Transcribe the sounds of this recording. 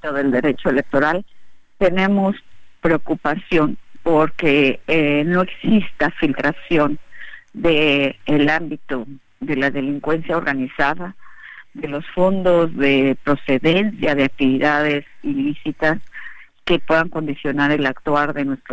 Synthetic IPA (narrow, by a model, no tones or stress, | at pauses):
t̪oðe̞ld̪e̞ɾe̞t͡ʃoe̞le̞k̚t̪o̞ɾalt̪e̞nẽ̞mospɾeo̞kupasjo̞npo̞ɾke̞ | no̞e̞ksist̪afilt̪ɾasjo̞nd̪eːlambit̪o | ðe̞laðe̞liŋkwe̞nsjao̞ɾɣanisaðaðe̞lo̞sfo̞nd̪o̞zðe̞pɾo̞se̞ðe̞nsjaðeak̚t̪iβiðaðe̞silisit̪as | ke̞pwe̞ðaŋko̞nd̪isjo̞naɾelakt̪waɾðe̞nwe̞st̪ɾo